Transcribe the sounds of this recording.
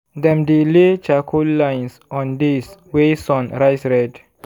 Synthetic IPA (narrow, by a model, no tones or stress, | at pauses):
dɛ̃mdilet͡ʃakʰolãjnsɔ̃ndiswesɔ̃nɾajsɹɛd